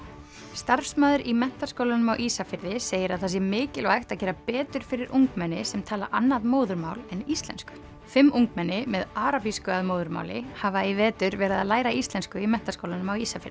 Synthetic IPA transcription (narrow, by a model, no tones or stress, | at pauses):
st̪aɾfsmaːðʏɾimɛn̥t̪askowlanʏmawʔisafɪɾðɪseːjɪɾaðθasjɛmɪːcɪlɔajxt̪aðcɛːɾapɛːt̪ʏɾ̥fɪɾɪɾʔuŋkmɛnːɪsɛmt̪ʰaːla̰ʔanːaðmoːwðʏɾmawlɛnist̪lɛ̰nskʏ̥ | fɪmːʔuŋkmɛnːɪmɛðaːɾapiskʏaðmoːwðʏɾma̰ːwlɪ̰havaivɛːt̪ʏɾvɛːɾaðaðlaːjɾaist̪lɛnskʏimɛn̥t̪askowlanʏmawisafɪɾðɪ